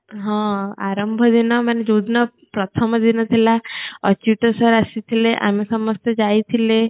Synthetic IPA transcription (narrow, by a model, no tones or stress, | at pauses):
ɦɔ̃a̰ɾəmbʱəd̪inɔməned͡ʒod̪nɔ | pɾɔt̪ʰəməd̪inɔt̪ʰilaət͡ʃiʈəsəɾasit̪ʰileʔa̰misɔməst̪əd͡ʒajt̪ʰile